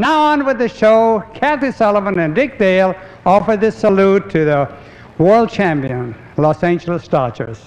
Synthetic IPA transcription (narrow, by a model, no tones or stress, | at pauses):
naʊə̃nwɨðɨʃoʊkʰæθisɛlˠəmə̃nɨ̃ndɪk̚d̥eɪlˠ | ɔfə˞d̪̚ðɪsəlutʰɨðə | wɜ˞lˠd̚t͡ʃʰæ̃mpiɨ̃n | lɔsæ̃ɪ̃nd͡ʒl̩ˠəstɑt͡ʃə̰˞z̥